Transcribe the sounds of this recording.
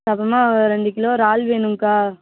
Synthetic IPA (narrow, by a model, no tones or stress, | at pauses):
sɐpɐmaːɾɛɳɖɯkɪloːɾaːlʋeːɳɯmkaː